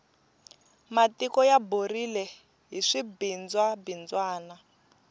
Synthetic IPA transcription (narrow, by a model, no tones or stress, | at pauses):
matikɔjaborilɛ | ɦiʂibind͡zwabind͡zwaːna